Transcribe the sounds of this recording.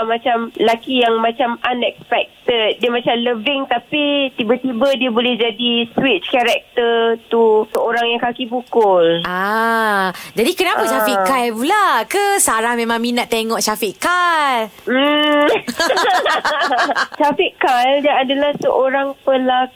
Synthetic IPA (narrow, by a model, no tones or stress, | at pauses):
mat͡ʃamlakijaŋmãt͡ʃamʔanɛkspɛk̚t̪əd̚diəmãt͡ʃamləvɪŋt̪apit̪ibət̪ibədiəbolɛhd͡ʒadiswit͡ʃkaɾɛk̚t̪ət̪usəoɾaŋjaŋkakibukʊla | d͡ʒadikənãpat͡ʃafiʔkalpulakəsaɾaŋmẽmãŋminat̪ːeŋɔ̃ʔt͡ʃafiʔkal | m̩ | t͡ʃafiʔkaldaːdalahsəʔoɾaŋpəlak